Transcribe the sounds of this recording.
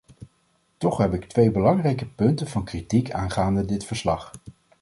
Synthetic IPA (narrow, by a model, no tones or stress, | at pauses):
tɔχɦɛpɪktʋejbəlɑŋrɛjkəpɵntənv̥ɑnkritikaːnχaːndədɪtfəɹslɑχ